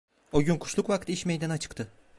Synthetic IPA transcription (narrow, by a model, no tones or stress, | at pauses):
oɟynkʰu̥ʃlˠuqvakt̪iʃme̞jd̪anat͡ʃʰɯ̥kt̪ʰɯ